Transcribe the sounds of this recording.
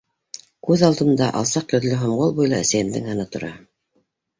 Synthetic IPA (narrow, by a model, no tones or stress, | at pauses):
kʉðɑlˠd̪ɤ̆nd̪ɑʔɑ̰lˠsɑq̚t̪ɵ̆ðlɘɦŏmʁolˠbujlˠɑæsæjɘ̆md̪ɘ̰ŋhɑnɤt̪ŏɾɑ